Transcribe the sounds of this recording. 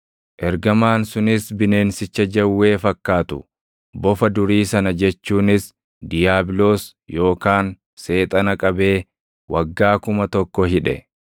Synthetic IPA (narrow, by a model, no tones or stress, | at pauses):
ʔɛɾɡɐmaːnsʊnɪsbɪne̞ːnsɪt͡ʃːɐd͡ʒɐwːe̞ːfɐkːaːt̪ʊ | bɔfɐd̪ʊɾiːsɐnɐd͡ʒɛt͡ʃːuːnɪs | d̪ɪjaːbɪloːs | jo̞ːkaːn | se̞ːt̪ʼɐnɐkʼɐbe̞ː | wʔɐɡːaːkʊmɐt̪ɔkːɔɦɪᶑɛ̰